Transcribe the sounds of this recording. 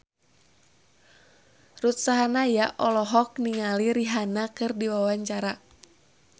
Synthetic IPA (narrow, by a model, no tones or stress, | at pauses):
rut̪saɦanajaʔɔlɔɦɔk̚niŋaliɾiɦanakɨrdiwawaɲt͡ʃaɾa